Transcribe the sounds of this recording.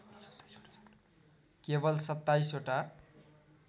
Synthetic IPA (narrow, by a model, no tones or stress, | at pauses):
kebʌlsʌt̪ːajsoʈa